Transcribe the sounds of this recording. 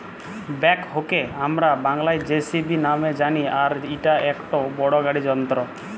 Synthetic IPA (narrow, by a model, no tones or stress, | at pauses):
bɛkɦokeamɾabaŋlajd͡ʒesibinamed͡ʒaniaɾiʈaekʈɔbɔɽɔɡaɽid͡ʒɔnt̪ɾɔ